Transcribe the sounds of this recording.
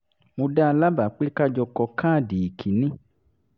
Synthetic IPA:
mõ˧da˦˧la˦ba˨k͡pe˦ka˦d͡ʒɔ˧kɔ˧kã˦˨di˨i˨kʰi˨nĩ˦

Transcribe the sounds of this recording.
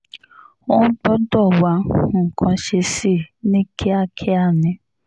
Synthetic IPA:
wɔ̃˦k͡pɔ˦dɔ˦˨wa˨˦ŋ̩˨kʰã˧ʃe˧si˦˨nĩ˦kʰe˦a˦˨kʰɛ˦a˦˨nĩ˨˦

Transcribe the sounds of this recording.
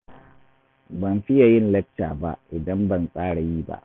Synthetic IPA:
bɐ˨mɸɪ˦ja˨jɪ˦nlɛ˦k̚taː˨ba̰˦ʔɪ˨dɐ˦mbɐ˨nsʼaː˦ɽa˨jiː˦ba̰˦ʔ

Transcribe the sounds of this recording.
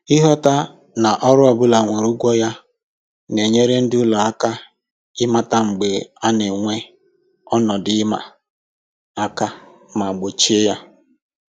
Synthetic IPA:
i˦ɦɔ˦ta˦ | na˨ʔɔ˦ɾʊ˦ɔ˨bʊ˦la˨ŋʷe˨ɾu˦ɡʷɔ˦ja˦ | ne˨ɲe˦ɾe˦n̩˦dɪ˦ʊ˦lɔ˨a˦ka˦ | ɪ˦ma˦ta˦ŋ͡m̩˨ɡ͡be˨a˦ne˨ŋʷe˦ | ɔ˦nɔ˨dɪ˨˦ma̰˨ | a˦ka˦ | ma˨ɡ͡bo˨t͡ʃe˦ja˦

